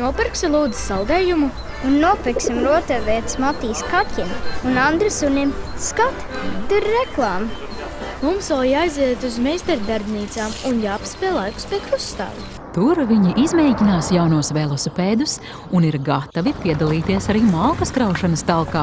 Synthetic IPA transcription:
nuɔpɛɾksalˠuːd̪zi̥salˠd̪ɛːjumu | unːuɔpeksimɾuɔt̪avɛt̪smat̪iːskatʲimunand̪ɾɨsunʲimskat̪d̪ɨɾːɛklˠaːm | mumsalˠjajzɛɛt̪uzmɛjst̪ɛɾd̪aɾbʲniːt̪saːmunjaːpspɛːlˠajku̥spʲɛkɾusːt̪a̰ːd̪ | t̪uɾviɲiʔizmɛjɟʲinaːsjawnuɔsvɛlˠɔsupɛːd̪us | uniɾɡat̪avipʲiɛd̪alˠiːt̪iɛsaɾiːmalˠkɐskɾawʃanɐst̪alˠkaː

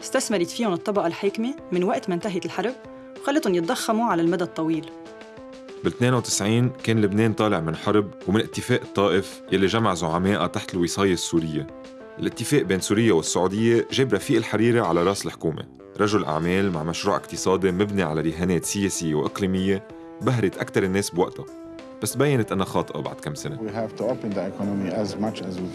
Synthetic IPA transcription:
ɪst̪asmɑɾˤit̪fiːhʊnɨt̪ˤːɑbɑʔɑlħeːkmemɪnwaʔt̪mant̪aɦɪt̪ɪlħɑɾˤb̚ | wxalːɪt̪hʊnjɪt̪̚ˤd̪ɑxːamuʕalalmad̪ad̪̚t̪ˤːɑwiːl | bɪlt̪neːnawt̪ɪ̥sʕiːnkeːnlɪbneːnt̪ˤɑːlɪʕmɪnħɑɾˤb̚wmɪnʔɪt̪ːɪfeːʔɨt̪ˤːɑːʔɪf | jalːiʒamaʕzʊʕameːʔat̪aħt̪ɪlwɪsˤɑːjɑsːuːɾɪjːe | ʔɪlʔɪt̪ːɪfeːʔbeːnsuːɾɪjːewɪsːʊʕuːd̪ɪjːeʒeːbɾˤɑfiːʔɪlħaɾiːɾaʕalaɾˤɑːʔsɪlħʊ̥kuːmḛ | ɾˤɑʒʊlʔa̰ʕmeːlma̰ʕmaʃɾuːʕʔɪ̰qt̪ɨsˤɑːd̪imɪbniʕalalɪɦeːneːt̪sɪjeːsɪjːewʔɪ̰qliːmɪjːe | baɦɾɪt̪ʔakt̪ɑɾˤɪnːeːsbwaʔt̪a | b̥asːbajːanɪt̪ʔɪnhaxɑːt̪ˤʔɑ̰ba̰ʕd̪̥̚kamːsanewiɦævt̪uɔpə̃nd̪əɛkʰɑnɔmiæzmat͡ʃæzw

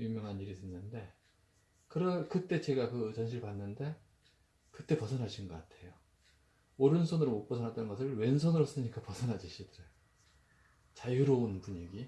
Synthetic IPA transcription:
jumjʌŋɦaniɾitʰenːɯnde̞ | kɯɾʌkɯt͈e̞t͡ɕe̞ɡakɯt͡ɕʌnɕʰiɭpanːɯnde̞ | kɯt͈e̞pʌsʰʌnɦaɕʰinɡʌk͈atʰe̞jo | oɾɯnsʰonɯɾomok̚p͈ʌsʰʌnat͈ʌnɡʌsʰɯɭwe̞ns̬ʰonɯɾos͈ɯɲik͈apʌsʰʌnɦad͡ʑiɕʰidɯɾɯ | t͡ɕajuɾounpuɲiɡi

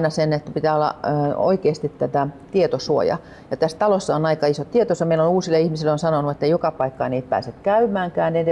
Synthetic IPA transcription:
inɑsenet̪ːæpit̪æːolːɑ̰o̰ikeːst̪it̪tæt̪æt̪iet̪osuo̰jɑ̰ | jɑt̪æst̪ɑlosːɑonɑikɑisot̪t̪iet̪osɑmeilonuːsilːˑeihmisilːonsɑnonuet̪ːeijokɑpɑikːɑniːt̪̚pæ̰ːset̪kæymˑæːŋkæːned

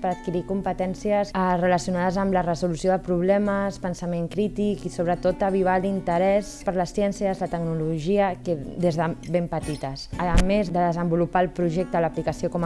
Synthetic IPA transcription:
pəɾət̪̚kiɾikumpət̪ɛnsiəzrələsiunaðəzəmlərəzulusjoðəpɾuβ̞lɛməspənsəmeŋkɾit̪ikisoβ̞ɾət̪ot̪əβ̞iβ̞alint̪əɾɛspəɾləsːjɛnsjəzlət̪əknuluʒiəked̪ezðəβempət̪it̪əsəəmezðəðəzəmbulupaːlˠpɾuʒɛk̚t̪ələplikəsiokɔm

